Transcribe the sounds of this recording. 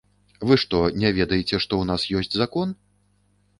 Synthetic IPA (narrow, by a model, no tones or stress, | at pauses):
vɨʂt̪ɔnʲɛvʲɛd̪ɐjɛt͡sʲɛʂt̪ɔwnasjɔsʲt͡sʲzakɔn